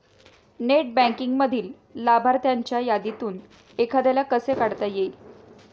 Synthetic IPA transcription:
neʈ̚bæ̃ŋkiŋɡməd̪ʱiːlː | abʱaɾt̪jaɲt͡ɕjajad̪it̪uːn | ekʰad̪alakəsekaɽt̪ajeil

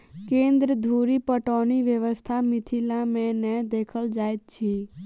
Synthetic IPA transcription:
kẽnd̪ɾəd̪ʱuɾipəʈoniʋjəʋəst̪ʰamɪt̪ʰilãmɛ̃nɛd̪ekʰəld͡ʒajt̪̚t͡ʃʰi

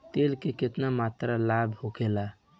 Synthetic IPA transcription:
t̪elkeket̪namat̪ɾalabʱhokela

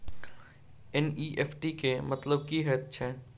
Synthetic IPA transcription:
ɛniːʔeːpʰʈikemɐt̪ləb̚kiɦɛːt̪̚t͡ʃʰɛː

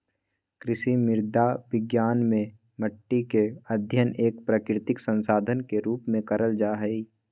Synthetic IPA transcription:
kɾɪʃimɪɾd̪ʱaʋɪɡjaːnmẽ | məʈːikeəd̪ʱjəneːk̚pɾakɾɪt̪ɪksə̃nsaːd̪ʱənkeɾuːpmẽkəɾəld͡ʒaːɦɛi

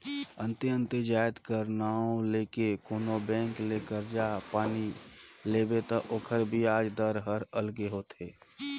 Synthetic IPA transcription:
ə̃nt̪ɪə̃nt̪ɪd͡ʒaːjət̪kəɾnaːõleːkekoːnobɛ̃ːŋkleːkəɾd͡ʒaːpaːnileːbet̪aʔoːkʰəɾbʱiaːd͡ʒd̪əɾɦəɾəlɡeɦoːt̪eː

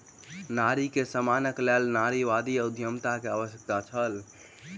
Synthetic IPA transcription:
naɾikesəmanəklɛlnaɾiʋad̪iəud̪ʱjəmt̪akeaβəsjək̚t̪at͡ʃʰəl

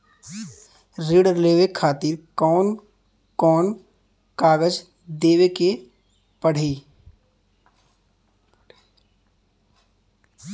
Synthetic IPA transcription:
ɾiːɽəɾleːʋekʰaːt̪ɪɾkɔːn | kɔːn | kaːɡəd͡ʒ | d̪eːʋeke | pəɽ̤iː

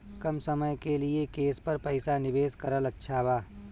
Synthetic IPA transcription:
kɐmsɐməjkeliekeːspɐɾpɐɪsanɪʋeːskɐɾəlɐtːʃʰaːʋaː

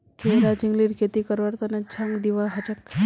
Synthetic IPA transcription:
kʰeɾad͡ʒiŋɡliɾkʰet̪ikəɾʋaɾt̪anat͡ɕʰaŋɡd̪iʋaɦat͡ʃək

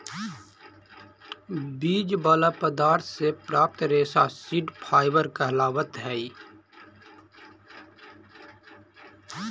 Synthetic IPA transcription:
biːd͡ʒbaːlapəd̪aːɾt̪ʰsepɾaːp̚t̪ɾeːsasɪɖpʰaːɪbəɾkɛɦlaːwət̪ɦɛːi

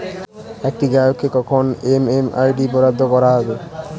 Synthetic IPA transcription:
ek̚ʈiɡajokʰːekɔkʰonemema̰jɖipɔɾad̪ʱːokɔɾaɦɔbe

